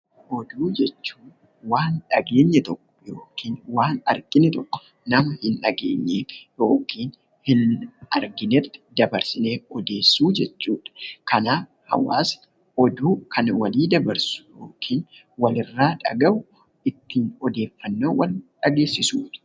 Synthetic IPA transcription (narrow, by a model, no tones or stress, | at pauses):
ʔɔd̪uːd͡ʒɛt͡ʃːuː | waːnᶑɐɡe̞ːɲːɐt̪ɔkːɔ̥joːkiːnwaːnɐɾɡʼɪnɛt̪ɔkːɔ̥ | nɐmɐhɪnᶑɐɡḛːɲːeːfjoːkiːn | hɪnɐɾɡɪnɛt̪ːɪ̥d̪ɐbɐɾsɪneːɔd̪e̞ːsːuːd͡ʒɛt͡ʃːuːᶑɐ̥kɐnaː | hɐ̰wa̰ːs | ʔɔd̪uːkʰɐnwɐliːd̪ɐbɐɾsʊ̥joːkʰiːn | wɐlɪrːaːᶑɐ̰ɡɐʔʊ | ɪt̪ːiːnɔd̪e̞ːfːɐnːoːwɐlᶑɐɡe̞ːsːɪsuːᶑɐ̥